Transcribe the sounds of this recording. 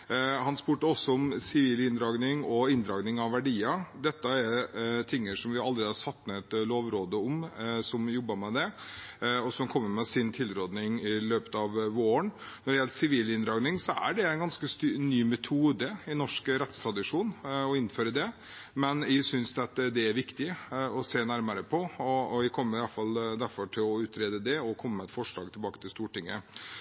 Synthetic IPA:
hɑnspʉːʈəɔsːɔɔmsɪʋiːlɪnd̪ɾɑːɡnɪŋɔɪnd̪ɾɑːɡnɪŋɑʋʋæɖiːɑd̪ɛt̪ːəæɾt̪ʰɪŋːəʂɔmʋɪɑld̪ɾed̪ɑʂɑt̪ːmɛɛt̪loːʋɾoːd̪əɔmsɔmjɔbːəmɛd̪ɛ | ɔsɔmkʰɔmːəɾmɛsɪnt̪ʰɪlɾoːd̪nɪŋɪløːpət̪ɑʋʋoːəɳ | nɔɖɛjɛlsɪʋiːlɪnd̪ɾɑːɡnɪŋsɔæ̰ɖɛæɪnɡɑnskəst̪ːnyːmɛt̪ʰuːd̪əɪnɔʂkɾɛt̪st̪ʰɾɑd̪ɪʂuːnɔɪnːføːɾəd̪ɛ | mɛnɪsʏnsd̪ɛt̪d̪ɛæɾʋɪkt̪ɪɔseːnæɾməɾəpʰɔɔɔʋɪkʰɔmːəɾɪɑfɑld̪æɾfɔʈʰɪlɔʉːt̪ɾeːd̪əd̪ɛɔkʰɔmːəɛt̪fɔʂɭɑːɡt̪ɪlbɑːkə̥t̪ʰɪlst̪uːʈɪŋːə̰

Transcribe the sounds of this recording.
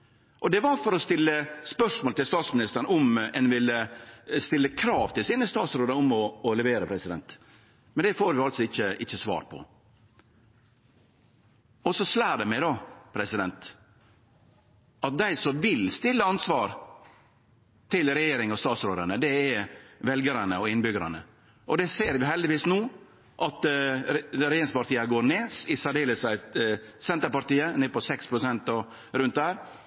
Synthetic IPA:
ʔɔd̪ɛʋɑɾfɔɾɔst̪ɪlːəspœʂmoːlt̪ɪlst̪ɑːt̪smɪnɪst̪əɾɳɔmɛnʋɪləst̪ɪlːəkʰɾɑːʋt̪ʰɪlsiːnəst̪ɑːt̪sɾoːd̪əɾʊmɔɔlɛʋeːɾəpʰɾɛsɪd̪ɛ̰nt̪ | mɛnd̪ɛfoːɾʋɪɑlt̪sɔɪçːəʔɪçːəsʋɑ̰ːɾpʰɔ̰ | ɔsɔslæːɖɛmæɪd̪ɑpʰɾɛsɪd̪ɛnt̪ | ʔɑt̪̚d̪æɪsɔmʋɪlst̪ɪlːəɑnsʋɑːɾ | t̪ʰɪlɾɛjeːɾɪŋɑst̪ɑːt̪sɾoːd̪əɳəd̪ɛɛʋɛlɡəɾənəɔɪnbʏɡəɾɑ̰nə̰ | ʔɔd̪ɛseːɾʋɪɦɛld̪ɪʋiːsnuː | ʔɑt̪ | ɾɛjeːɾɪŋspɑɾʈ̪iːəɡoːɾneːsɪsæɖeːləsæɪsɛnt̪əɾpɑɾʈ̪iːəneːpɔsɛkspʰɾʊsɛnt̪ɔ | ɾʉnt̪̚d̪æːɾ

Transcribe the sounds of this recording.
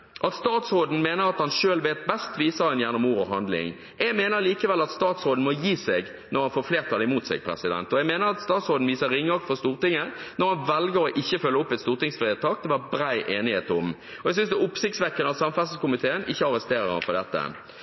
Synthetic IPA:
ʔɑt̪st̪ɑːt̪sɾoːd̪n̩meːnəɾɑt̪hɑnʃøːlʋeːt̪bɛst̪ʋiːsəɾɛnjæʁnʊmuːʁɔɦɑnd̪lɪ̰ŋ | jɛɡmeːnəɾliːkəʋɛlːɑt̪st̪ɑːt̪sʁoːd̪n̩mɔjiːsɛɡ | nɔʁhɑnfoːʁfleːʁt̪ʰːɑːd̪ɛɪmuːt̪sɛ̰ɡ̚pʰɾɛ̰sɪd̪ɛ̰nt̪ɔjɛɡmeːnəɾɑt̪st̪ɑːt̪sʁoːd̪n̩ʋiːsəɾɪŋːɑk̚t̪fɔʁst̪uːʁt̪ɪŋːənɔɾhɑnʋɛlɡəɾɔʔɪçːəfœlːəʊpːɛt̪st̪uːʁt̪ɪŋsfʁeːt̪ʰɑːk̚d̪ɛʋɑbɾæɪʔeːnɪheːt̪ʊm | ɔɛɡs̬ʏnsd̪ɛʊpsɪkt̪sʋɛkːənəɑt̪sɑmfælsəskʊmɪt̪ʰeːənʔɪçːəɑɾəst̪eːɾəɾhɑ̰npʰɔd̪ɛt̪ːə̰

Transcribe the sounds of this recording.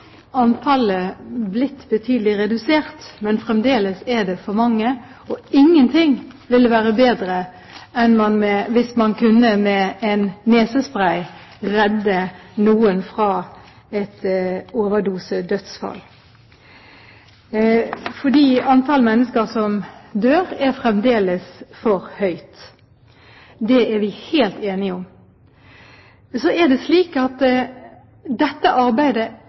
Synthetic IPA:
ɑnt̪ʰɑləblɪt̪ːbət̪ʰyːd̪əlɪɾɛd̪ʉseːʁt̪mɛnfʁɛmd̪eːləsɛd̪ɛfɔɾmɑŋːə | ɔɪŋːənt̪ʰɪŋʋɪləʋæːɾəbeːd̪ɾə | ɛnmɑnmɛʋɪsmɑnkʰʉnːəmɛɛnːeːsəspʁæɪ | ʁɛd̪ːənuːənfʁɑː | ɛt̪oːʋəd̪uːsəd̪œt̪sfɑ̰l | fɔd̪iːɑnt̪ʰɑlmɛnːəskəɾsɔmd̪øːɾæɾfʁɛmd̪eːləsfɔɾhœʏt̪ | d̪ɛæɾʋɪheːlt̪eːnɪʊm | sɔæʁd̪ɛsliːkɑt̪ | d̪ɛt̪ːəʔɑɾbæɪd̪ə

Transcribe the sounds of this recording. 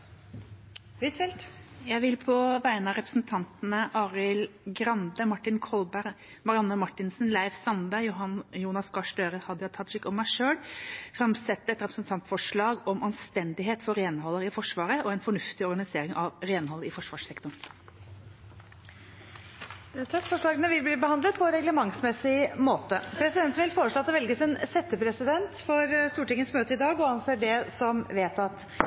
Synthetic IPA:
hit̪fɛlt̪jæɪʋɪlpʰɔʋæɪnɑɾɛpɾəsn̩t̪ʰɑnt̪n̩əʔɑːɾɪlɡɾɑnd̪əmɑʈːɪnkʰɔlbæɾ | mɑɾɪɑnːəmɑʈːɪnsn̩læɪʋsɑnbæjjuːnɑskɑʂʈøːɾəhɑd̪əɑt̪ʰɑʃɪkːɔmːæɪʂøːɽfɾɑmsɛt̪ːəɛt̪ɾɛpɾə̥snt̪ʰɑnt̪fɔʂɭɑːɡɔmʔɑnst̪ɛnd̪ɪɦeːt̪fɔɾeːnɦɔlːəɾɪfɔʂʋɑːɾəʔɔɛnfɔɳʉft̪ɪɔɾɡɑnɪseːɾɪŋʔɑʋɾeːnhɔlːəɾɪfɔʂʋɑːʂɛkt̪ɔn | t̪ʰɑkfɔʂɭɑːɡənəʋɪlbliːbəhɑnd̪lət̪̚pʰɔɾɛɡləmɑŋsmɛsɪmoːt̪əpʰɾɛsɪd̪ɛnt̪n̩ʋɪlfoːɾəʂɭoːɑt̪ːɛʋɛlɡəsɛnsɛt̪ːəpʰɾɛsɪd̪ɛnt̪fɔɾst̪uːʈɪŋːənsmøːt̪əɪd̪ɑːɡɔɑnseːɖɛsɔmʋeːt̪ɑt̪

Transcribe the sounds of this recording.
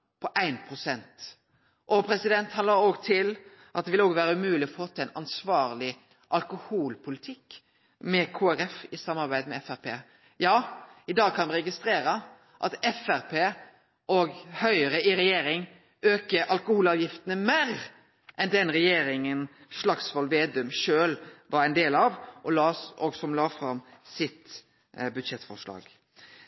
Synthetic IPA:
pʰɔʔæɪnpʰɾʊsɛnt̪ | ʔɔpʰɾɛsɪd̪ɛnt̪hɑnəɾoɡt̪ʰɪl | ʔɑt̪̚d̪ɛʋɪloːɡʋæːɾəʉmʉːlɪɔfot̪ːæɪnɑnsʋɑːʁlɪ | ʔɑlkʊhuːlpʰʊlɪt̪ʰɪkː | mɛkʰoːæɾɛfɪsɑmːɑɾbæɪd̪mɛɛfæɾpʰḛː | jɑːɪd̪ɑːɡ̚kʰɑnʋɛɾɛɡɪst̪ɾeːɾə | ʔɑt̪ɛfæɾpʰeː | ɔɡhœʏəɾəɪɾɛjeːɾɪŋ | øːkəɾʔɑlkʊhuːlɑːʋjɪft̪ənəmeːɾ | ʔɛnd̪ɛnɾɛjeːɾɪŋənʂlɑksʋɑlʋeːd̪ʉmʃøːlʋɑɾɛɪnd̪eːlɑʋʔɔlɑːsɔɡsɔmlɑːfɾɑmsɪt̪ | bʉd̪ʃɛt̪ːfɔʂlɑ̰ːɡ̥

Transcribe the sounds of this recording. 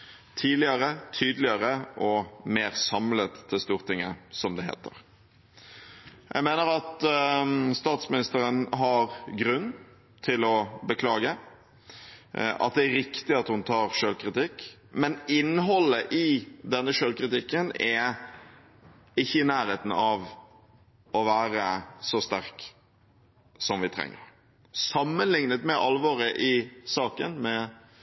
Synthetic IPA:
t̪ʰiːlɪəɾət̪ʰyːd̪lɪəɾəʔɔmeːɾsɑmlət̪ʰːɪlst̪uːʁt̪ɪŋːəsɔmd̪ɛɦḛːt̪ʰə̰ɾ | jʔæ̰ɪmeːnəɾɑt̪ | st̪ɑːt̪smɪnɪst̪əɾənɦɑɾɡɾʉnː | t̪ʰɪlɔbəkʰlɑːɡə | ʔɑ̰t̪̚d̪ɛæɾɪkt̪ɪɑt̪hʊnt̪ʰɑːɾʂøːlkɾɪt̪ɪkːmɛnɪnːɦɔlːəʔɪd̪ɛnːəʂøːlkɾɪt̪ɪkːənɛ | ɪçːəɪnæːɾheːt̪n̩ɑʋ | ɔʋæːɾəsɔst̪æɾk | sɔmʋɪt̪ʰɾɛ̰ŋːə̰ɾ | sɑmːənlɪŋnət̪mɛʔɑlʋɑːɾəʔɪsɑːkə̰nmɛ

